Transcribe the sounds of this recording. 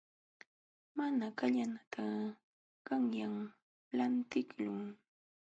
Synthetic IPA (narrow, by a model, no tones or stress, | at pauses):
manakaʎanat̪ʰa | kaŋjaŋ | lant̪ɪkʎʊŋ